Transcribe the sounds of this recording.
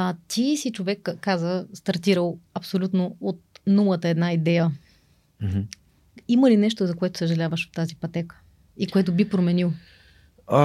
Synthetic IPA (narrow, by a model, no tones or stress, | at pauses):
t̪isit͡ʃovɛkːazəst̪ɐɾt̪iɾəlˠɐpsolʲut̪noot̪̚nulˠət̪əɛd̪naid̪ɛjə | iməlinɛʃt̪ozɐkoɛt̪ʊ̥səʒɐlʲavəʃot̪ːazipɐt̪ɛkə̥ | ikoɛt̪obipɾomɛnilˠ